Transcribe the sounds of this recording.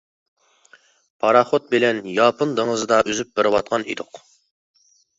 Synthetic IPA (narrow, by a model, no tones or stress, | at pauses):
pʰɑɾɑχot̪̚bɪlɛnjɑːpɨnd̪əŋəzɨd̪ɑʔøzyp̚bɪɾɪwɑt̪̚qʰɑnḭd̪ʊq